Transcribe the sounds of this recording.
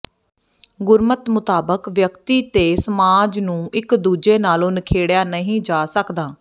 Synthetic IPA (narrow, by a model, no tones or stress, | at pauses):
ɡʊɾmət̪mʊt̪aːbəkʋjəkt̪iːt̪eːsəmaːd͡ʒnũːɪkd̪uːd͡ʒeːnaːlõːnəkʰeːɽjaːnəɦĩːd͡ʒaːsəkd̪aː